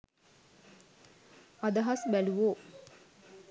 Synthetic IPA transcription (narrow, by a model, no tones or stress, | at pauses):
ad̪ɐɦɐsbæluʋoː